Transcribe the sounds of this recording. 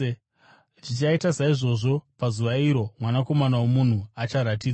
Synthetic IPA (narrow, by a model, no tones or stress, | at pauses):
t͡ʃit͡ʃaitasaiʐo̞ʐo̞pazuʋaiɾo̞mwanako̞manawomun̤uat͡ʃaɾat̬iːd͡za